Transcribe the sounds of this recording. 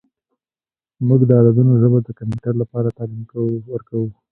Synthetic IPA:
muɡd̪əɑd̪ad̪unoʒəbad̪əkampuʈaɾlapɑɾat̪ɑlimkawəlwəɾkawu

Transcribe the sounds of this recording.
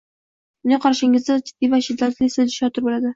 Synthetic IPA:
ʊnɪqʰɒɾʃɪŋɪzd̪ad͡ʒɪd̪̥ːivaʃɪd̪ːat̪lɪsɪzɪʃɑt̪ʊɾbolad̪ɪ

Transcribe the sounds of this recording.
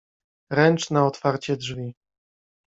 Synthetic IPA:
ɾɛnt͡ʂnaɔt̪faɾt͡ɕɛdʐvʲi

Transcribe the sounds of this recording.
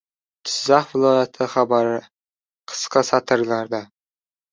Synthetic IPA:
t̪ʰʊ̥zzɑχvɪlˠɒjat̪ʰɪχɑbaɾɪ | qʰə̥sqɑsat̪ʰɨɾlaɾd̪a

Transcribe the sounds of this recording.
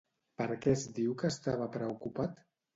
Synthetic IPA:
pəɾkɛzd̪iwkəːst̪aβəpɾəukupat̪

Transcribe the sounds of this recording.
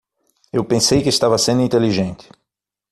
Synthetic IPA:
ewpẽsejkɪːst̪avɐsẽnd̪ʊĩnt̪eliʒẽnt̪ɪ̥

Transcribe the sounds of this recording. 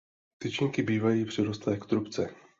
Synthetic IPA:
t̪ɪt͡ʃɪɲkɪbiːvajiːpr̝̥ɪɾost̪lɛːkt̪ɾupt͡sɛ

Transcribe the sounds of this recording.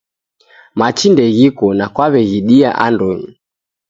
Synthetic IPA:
mat͡ʃindɛɣikɔnakwaβɛɣiɗia̰ʔa̰ndɔɲi

